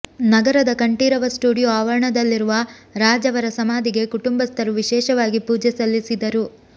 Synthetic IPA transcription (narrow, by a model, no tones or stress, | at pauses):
nɐɡɐɾɐd̪ɐkɐɳʈiːɾɐʋɐsʈuːɽijoaːʋɐɾɐɳɐd̪ɐlːiɾuʋɐɾaːd͡ʒɐʋɐɾɐsɐmaːd̪iɡe̞kuʈumbɐst̪ʰɐɾuʋiʃɛːʃɐʋaːɡipuːd͡ʒɛsɐlːisid̪ɐɾu